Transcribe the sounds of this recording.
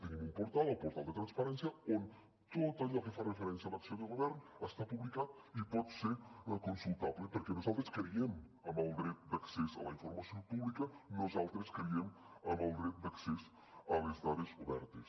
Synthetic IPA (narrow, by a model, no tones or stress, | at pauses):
t̪enimumpoɾt̪alˠalpoɾt̪alˠd̪et̪ɾanspaɾɛnsjɐon | t̪ot̪azafefarefeɾɛnsjalaksjond̪eɣoβɛɾn | ast̪apuβlikat̪ | ipɔt̪seɾkonsulˠt̪aβlepeɾkenosalˠt̪ɾeskeɾiem | amalɡɾet̪̚d̪aksesa̰laiɱfoɾmasjompuβlikɐnozalˠt̪ɾeskeɾiem | amalˠɡɾet̪̚d̪akses | alezðaðesoβɛɾt̪es